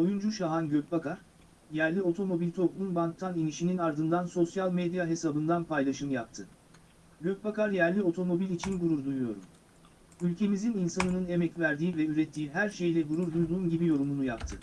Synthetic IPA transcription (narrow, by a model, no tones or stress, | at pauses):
o̞jund͡ʒuʃaɦanɟøc̚bakʰaɾ̥ | jæɾlʲio̞t̪ʰo̞mo̞bilʲt̪ʰo̞plˠunbank̚t̪ʰaniniʃininaɾd̪ɯnd̪anso̞sjalʲˠmed̪ijaɦe̞sabɯnd̪anpʰajlˠaʃɯmjap̚t̪ʰɯ | ɟøc̚bakaɾjæɾlʲio̞t̪ʰo̞mo̞bilʲit͡ʃʰinɡuɾuɾd̪ujujo̞ɾṵm | ylʲcʰe̞mizininsanɯnɯne̞mɛcvæɾd̪iːvɛyɾɛt̪ʰːiːiɦæɾʃe̞jlʲɛɡuɾuɾd̪ujd̪uːmɟibijo̞ɾumunujapt̪ʰɯ